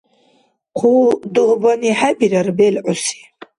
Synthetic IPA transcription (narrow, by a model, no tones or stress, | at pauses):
qʰuduhbaniħabiɾarbelʕʊsi̥